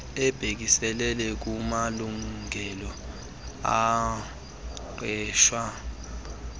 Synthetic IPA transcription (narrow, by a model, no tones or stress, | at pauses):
ɛb̥ʱek̬isɛlɛlɛk̬umaluŋʱɛlɔ | a | ǃʱɛːʃwa